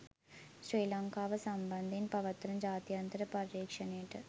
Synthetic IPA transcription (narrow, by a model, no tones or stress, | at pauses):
ɕɾiːlaŋkaːʋɐsɐmbɐnd̪ʱinpɐʋɐt̪ːɾɐmd͡ʑaːt̪jɐnt̪ɐɾɐpɐɾiːkʂɐneːʈɨ